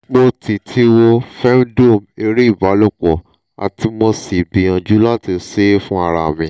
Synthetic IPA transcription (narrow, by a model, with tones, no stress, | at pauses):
mo˧tʰi˨tʰi˧wo˧fɛ˦m˦do˦˨me˧ɾi˦i˦˨ba˨˦lo˦˨k͡pɔ˨ | a̰˨ti˧˦mo˧si˨bi˨ã˧d͡ʒu˦la˦ti˧˦se˦fũ˦a˧ɾa˧˨mĩ˨